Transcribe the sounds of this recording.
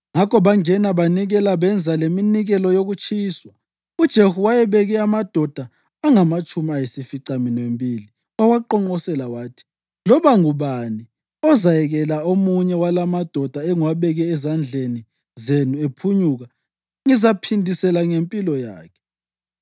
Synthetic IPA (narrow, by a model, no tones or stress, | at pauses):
ŋakʰɔβaŋɛnaβaniɣɛlaβɛnd͡zʱaleminiɣɛlɔjoɣut͡ʃʰʼiːswa | ud̥ʒ̥ʱehuwajɛβɛɣɛamad̥ʱɔd̥ʱaː | ŋamat͡ʃʼumiajisifiǀaminwembʱiːli | ɔwaǃɔŋ͡ǃɔsɛlawaːtʰi̥ | lɔβaŋuβani | ɔzajɛɣɛlaomuɲɛwalamad̥ʱɔd̥ʱaɛŋwaβɛɣɛːzand͡ɮʱeni | zenuepʰuɲuɣa | ŋizapʰindʱisɛlaŋempʼilɔja̰ːkʰɛ̥